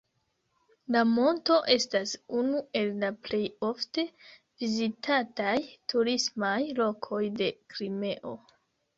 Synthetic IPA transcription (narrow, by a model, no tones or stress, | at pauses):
lamo̞nto̞ʔe̞stasunue̞lːaple̞jo̞fte̞ | vizitʰatajtʰuɾismajlo̞kʰo̞jde̞kɾime̞ʔo̞